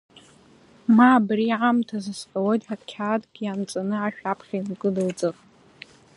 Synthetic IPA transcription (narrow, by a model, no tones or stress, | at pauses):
maːbriʕamtʰazɨsqʼawojtʼħakʲʰadɡʲiant͡sʼanɨaʃᶣapʰχʲamɡʼɨlɨld͡zɨχ